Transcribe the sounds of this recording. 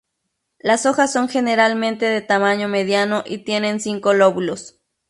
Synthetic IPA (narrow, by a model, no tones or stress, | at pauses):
lasoxasːoŋxeneɾalmẽnt̪eðet̪amaɲomeðjanoʔit̪jenensiŋkoloβulos